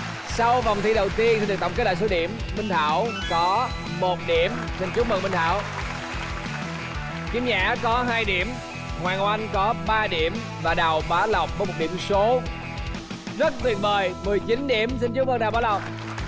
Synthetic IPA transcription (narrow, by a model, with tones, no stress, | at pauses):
sa˧wva˨˩wŋ͡mt̪ʰi˧ɗə˨˩wt̪i˧ənsi˧nɗk̪̚ə̰˧˨˩ŋ͡mkə˦˥ɗa̰ː˧˨so˨˦ɗḭ˧˩əmːï˧ŋ̟t̪ʰaː˧˩wkɔ˨˦ | mo˨˩t̚ɗi˧˩əm | si˧nt͡ɕu˦˥mə˧˩ŋɓï˧ŋ̟t̪ʰa̰ː˧˨w | t͡ɕi˨˦mɲa̰ː˧˥kɔ˨˦ɦaː˧jɗi˧˩əm | hwaː˨˩nʔwa˧ŋkɔ˨˦ɓaː˧ɗi˧˩əm | vaː˨˩ɗaː˨˩wɓaː˨˦la˨˩wk͡p̚ɓːmo˨˩t̚ɗḭ˧˩əmso˨˦ | zə˦˥t̚t̪wḭ˨˩ət̚ɓəː˨˩jmɨ˨˩əjt͡ɕi˨˦nɗi˧˩əmsi˧nt͡ɕu˦˥w̚məː˧nɗaː˨wɓaː˨˦wla˨˩wk͡p̚